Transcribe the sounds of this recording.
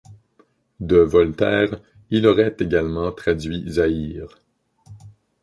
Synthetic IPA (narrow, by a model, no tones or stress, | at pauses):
d̪əvɔlt̪ɛːʁ | ilɔʁɛt̪eɡalmɑ̃t̪χadd͡zɥizaiːʁ